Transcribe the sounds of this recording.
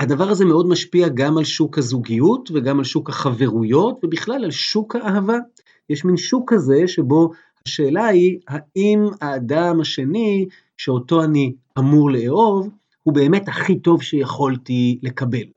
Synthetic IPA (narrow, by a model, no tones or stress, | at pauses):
hadavaʁaze̞me̞o̞dmaʃpiaɡamalʃukhazuɡijutveɡamalʃukhaχave̞ʁujo̞tve̞biχlalalʃukhaʔːɦava | jeʃminʃukhaze̞ʃe̞bo̞ | haʃe̞ːlaihaʔimaːdamaʃe̞ni | ʃeo̞to̞ani | amuʁle̞eo̞v | hube̞ːme̞thaχito̞vʃejaχoltile̞kabe̞l